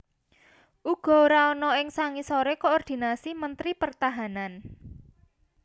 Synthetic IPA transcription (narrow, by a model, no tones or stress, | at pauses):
ʔuɡ̥ɔ̤oɾaɔnɔɪŋsaŋisoɾekoɔrd̪̥i̤nasimənt̪ɾipərt̪aɦanan